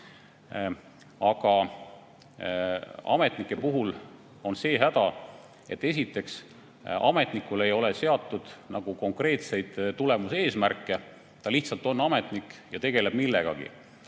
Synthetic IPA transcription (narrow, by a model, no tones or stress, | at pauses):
ɑɡ̥ɑ | ɑ̰met̪nikːˑe̞puɦul | o̞nse̞ːɦæd̪̥ɑ | e̞̰t̪ːe̞s̬ʲit̪ːˑe̞ks | ɑ̰me̞t̪nikːˑule̞jo̞lese̞ɑt̪ˑːud̪̥nɑɡ̥uko̞ŋkre̞ːt̪se̞jd̪̥t̪ːule̞muse̞ːsmærkːˑe̞ | t̪ɑliht̪sɑlt̪ːˑo̞nːɑme̞t̪nikːjɑt̪e̞ɡ̥e̞le̞b̥milːe̞ɡ̥ɑ̰ɡ̥ḭ